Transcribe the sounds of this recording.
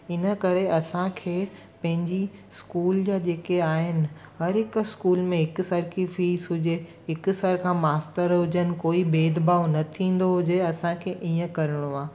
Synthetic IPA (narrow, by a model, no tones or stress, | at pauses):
ɪnə̆kɐɾeɐsãkʰeː | pɐ̃ɦɪ̃ɲd͡ʑiskuːld͡ʑaːd͡ʑeːkeaːɦɪnɪ̆ | ɦɐɾɦɪkskuːlmẽɦɪkʊsəɾkʰifiːsɦʊd͡ʑeɦɪkʊ̆səɾkʰãːmaːstəɾɦʊd͡ʑənɪ̆koːibeːd̪baːʋnɐt̪ʰĩːn̆d̪oɦʊd͡ʑeɐsãkʰeːʔiːə̃kɐɾɪɽ̃oaː